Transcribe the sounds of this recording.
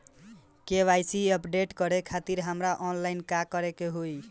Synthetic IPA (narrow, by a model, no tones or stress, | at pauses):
keʋajsiəpɖeʈkəɾekʰat̪iɾɦəmɾaʔɔnlajnkakəɾekeɦoj